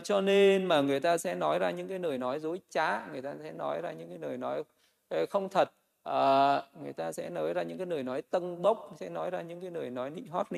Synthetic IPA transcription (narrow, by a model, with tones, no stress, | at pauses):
t͡ɕɔ˧ne˧nmaː˨˩ŋɨ˨˩əjt̪aː˧sɛ̰˧˥nɔ˨˦jzaː˧ɲɨ̰˧˥ŋkaː˨˦jnəː˨˩jnɔ˨˦jzo˨˦jt͡ɕaː˨˦ŋɨ˨˩əjt̪aː˧sɛ̰˧˥nɔ˨˦jzaː˧ɲɨ̰˧˥ŋkaː˨˦jnəː˨˩jnɔ˨˦j | xə˧wŋ͡mt̪ʰə˨˩t̚ | ʔəː˨˩ŋɨ˨˩əjt̪aː˧sɛ̰˧˥nɔː˨˦jzaː˧ɲɨ̰˧˥ŋkaː˨˦jnəː˨˩jnɔ˨˦jt̪ə˧ŋɓə˦˥wk͡p̚sɛ̰˧˥nɔ˨˦jzaː˧ɲɨ̰˧˥ŋkaː˨˦jnəː˨˩jnɔ˨˦jɗḭ˧˨ŋ̟ɦɔ˦˥t̚nḭ˧